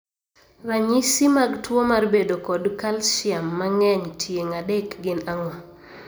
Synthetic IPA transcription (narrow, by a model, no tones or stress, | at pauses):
raɲisimaɡtwomarbedokɔdkalʃɪamːaŋɛɲtʰjeŋadɛkɡɪnaŋwa